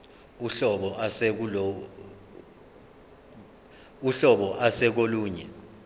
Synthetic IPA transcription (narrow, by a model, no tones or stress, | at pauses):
uɬɔɓɔʔasɛk̬ulo | uɬɔɓɔʔasɛk̬oluːɲɛ̰